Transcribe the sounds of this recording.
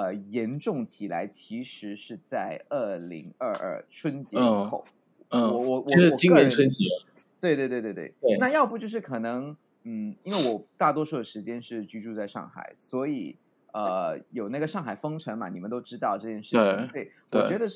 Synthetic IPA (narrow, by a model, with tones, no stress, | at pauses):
ə˧jɛ˧˥nʈ͡ʂʊ˥˩ŋt͡ɕʰi˨˩la̰˧˥ɪt͡ɕʰi˧˥ʂɻ̩˧˥ʂɻ̩˥˧t͡sa˥˧ɪə˥˩lḭ˧˥ŋə˞˥˧ʔə̰˞˥˩ʈ͡ʂʰwə˥nt͡ɕjɛ˧˥˩xo˥˩ʊ˥˩ | ɔ˧wɔ˧˩wʂ̩˥˧t͡ɕi˥ŋwə˧˥nt͡sʰwə˥nt͡ɕi˧˥ | t̪we˥˧ɪt̪we˥˧ɪt̪wt̪twe˥˩ɪe˥˩na˥˧jɑ˥˧ʊpu˥˩t͡ɕjo˥˧ʊʂɻ̩˥˩kʰɤ˨˩nɤ˧˥ŋ | n̩˥˩i˥nwe˥˩ɪwɔ˨˩t̪a˥˩t̪wɔ˥ʂu˥˩d̪ə˩ʂɻ̩˧˥t͡ɕjɛ˥nʂɻ̩˥˩t͡ɕy˥ʈ͡ʂu˥˧t͡sa˥˧ɪʂɑ̰˥˩ŋxa̰˨˩ɪswɔ˧˥i˨˩ | ə˧jo˨˩ʊna˥˩ɡə˩ʂɑ˥˩ŋxa˨˩ɪfɤ˥ŋʈ͡ʂʰɤ˧˥ŋmɐ˨˩ni˨˩mə˨˦nt̪o˥ʊʈ͡ʂɻ̩˥t̪ɑ˥˧ʊʈ͡ʂɤ˥˧t͡ɕjɛ˥˧nʂɻ̩˥˧t͡ɕt͡ɕi˨ŋswɔ˥˩i˨˩wt͡ɕɥɛ˧˥d̪ə˧ʂ̩˥˩